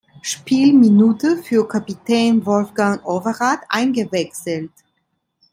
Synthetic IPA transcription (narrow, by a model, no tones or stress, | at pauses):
ʃpʰiːlminuːtəfyːɐkʰapitʰɛːnvɔlfɡ̥aŋʔovɐʁaːtʔa̰ɪnɡəvɛksl̩t